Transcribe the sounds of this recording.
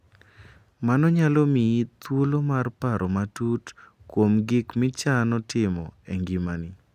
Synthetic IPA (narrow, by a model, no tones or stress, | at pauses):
manɔɲalɔmiit̪wolomarpaɾʔɔmatut | kwomɡɪkmɪt͡ʃanɔtɪmɔ̰eŋɡimanɪ